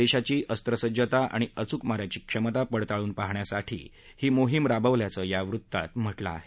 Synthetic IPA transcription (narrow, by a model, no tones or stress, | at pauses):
eɕat͡ɕiːʔəst̪ɾəsəd͡ʑət̪aʔa̰ɽ̃iət͡sukmaɾjat͡ɕiːkʂəmət̪apəɽt̪aɭuːnpaɦɳjasaʈʰḭː | hiːmoɦimɾabəʋljat͡səːjaʋɾut̪ːa̰t̪m̤əʈlaa̰ɦe